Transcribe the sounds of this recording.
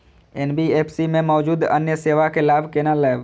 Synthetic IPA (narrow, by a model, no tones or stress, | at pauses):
eːnbieːpʰsimẽmɔːd͡ʒuːd̪ə̰njəseːʋakelaːbʱkeːnalɛːb